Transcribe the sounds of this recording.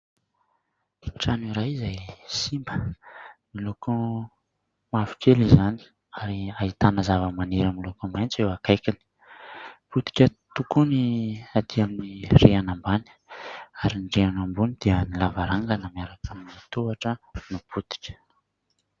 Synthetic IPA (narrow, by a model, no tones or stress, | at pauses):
ʈ͡ʂanuɾajizajsimbə | miloko | mafi̥kelizani̥ | aɾiait̪anəzavəmaneɾamilokomajnt͡sewakajkini̥ | put̪i̥kʲət̪ukuniad̪̥iaminireanamban | aɾinɖ͡ʐeanambunid̪̥iənilavaɾaŋɡanamaɾakʰaminit̪uaʈ͡ʂənuput̪i̥kʲə̥